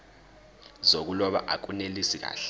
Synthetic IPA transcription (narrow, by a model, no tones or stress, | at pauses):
zok̬ulɔɓa̰ʔak̬unelisik̬a̰ːɬ